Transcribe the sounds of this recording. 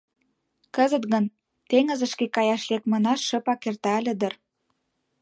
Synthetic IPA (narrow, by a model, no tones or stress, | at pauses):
kəzət̪ɣən | t̪eŋə̆zə̆ʃkekɑjɑʃlekmɤ̆nɑʃːə̆pɑkert̪ɑəlʲəd̪ə̆r